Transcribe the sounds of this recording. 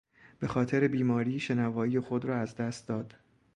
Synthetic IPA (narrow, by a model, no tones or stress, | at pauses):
b̥e̞xɒːt̪ʰe̞ɾe̞biːmɒːɾiːʃe̞nævɒːije̞xo̞d̪ɾɒːæzd̪æst̪̚d̪ɒːd̪̥